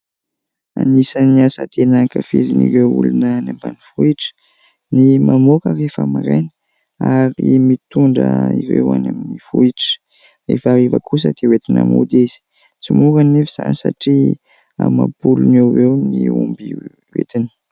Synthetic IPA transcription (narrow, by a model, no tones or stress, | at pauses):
anisaniasət̪enakafiziniɾeṵlunənambanifuiʈ͡ʂə̥ | nimamokərefamiɾenə̥ | aɾimit̪uɳɖ͡ʐə̰iɾḛwa̰naminifuiʈ͡ʂə̥ | refaɾivəkʰus̬əd̪̥ewet̪ina̰mud̪izi̥ | t͡simuɾanefiz̥anisaʈ͡ʂi | a̰mapulunewwewniumbi | wḛt̪inə̥